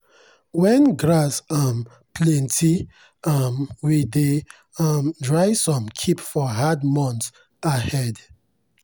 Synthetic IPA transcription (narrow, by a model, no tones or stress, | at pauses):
wɛ̃nɡɹasam | plɛ̃ntʰi | ʌmwide | mdɹajsɔ̃mkʰipfɔɦadmɔ̃nt | ahɛd